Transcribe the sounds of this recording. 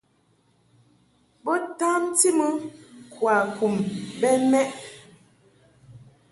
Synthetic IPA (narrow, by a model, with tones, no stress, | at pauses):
bɔ˦ta˦mti˦mə˦kwa˨ku˨mbɛ˦mɛ˦ʔ